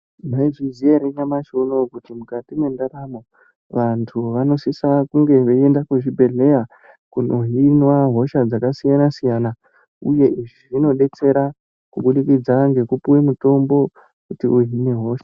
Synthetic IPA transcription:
maiʐizieɾeɲamaʃonokutimukatimwe̞ndaɾamo | ʋantʰuʋano̞sisakuŋɡe̞ʋe̞endakuʐibʱe̞ɮe̞ja | kuno̞ɦinwaɦo̞ʃad͡zakasijanasijana | uje̞ʔiʐiʐino̞ɗe̞t͡se̞ɾa | kuɓuɗikid͡zaŋɡe̞kupuwemuto̞mbo̞ | kutiuɦine̞ɦo̞ːʃḁ

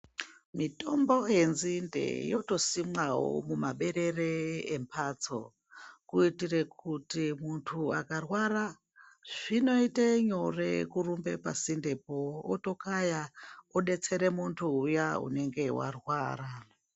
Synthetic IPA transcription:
mito̞mbo̞ɦenzindḛjo̞to̞simwaɦo̰mumaɓe̞ɾe̞reempʰat͡so̰ | kuitire̞k̚utimuntʰua̰karwara | ʐ̥ino̞iteɲorekurumbe̞pa̰sinde̞poːto̞kajaoɗe̞t͡se̞ɾe̞muntʰuujaṵne̞ŋɡe̞wa̰rwa̰ːra

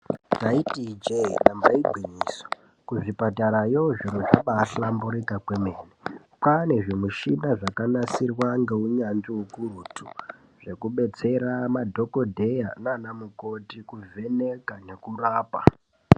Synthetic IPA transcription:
taitid͡ʒeinambaiɡʱwiɲiːso̥ | kuʐipataɾajoʐiɾoʐaɓaːɬambuɾikakwemeːne | pane̞ʐimuʃinaʐakanasirwaŋɡe̞uɲanʐiwukurutu | ʐ̥e̞kuɓe̞t͡se̞ɾamadʱo̞ko̞dʱe̞jananamuko̞tikuvʱe̞ne̞kane̞kuraːpa

